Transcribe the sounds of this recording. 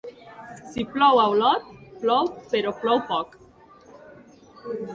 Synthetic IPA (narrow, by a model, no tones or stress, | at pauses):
siplɔwawlɔt̪̚plɔwpeɾoplɔwpɔk